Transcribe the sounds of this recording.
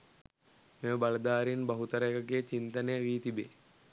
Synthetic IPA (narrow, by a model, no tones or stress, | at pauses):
meməbɐləd̪aːɾinbɐɦut̪əɾəekəɡeːt͡ʃint̪ɐnejəʋiːt̪ibe